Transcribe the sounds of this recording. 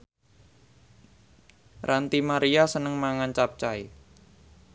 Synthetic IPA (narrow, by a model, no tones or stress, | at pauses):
rʔant̪imaɾiasənəŋmaŋant͡ʃap̚t͡ʃai